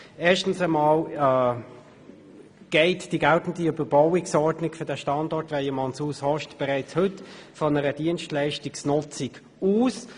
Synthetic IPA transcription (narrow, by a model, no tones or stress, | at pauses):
eːʃtən̩səmɑːlː | ɡ̥ɛɪtd̥iɡæltn̩diøbəɾb̥ɔwɪksɔɹdnɪkfødɛʃtɑndɔɾtʋɛɪjəmɑnsuːshɔʃtb̥ɛʁæɪt͡shɵtfɔnəɾəd̥iənʃtlæɪʃtɪksnʊt͡sɪk | uːs